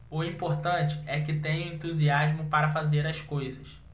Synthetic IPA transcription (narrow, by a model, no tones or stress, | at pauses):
ʊĩpoɾt̪ɐ̃t͡ʃɪ̥ɛkɪt̪ẽɲɐ̃ẽnt̪uziaʒmʊpaɾɐfazeɾɐskojzɐs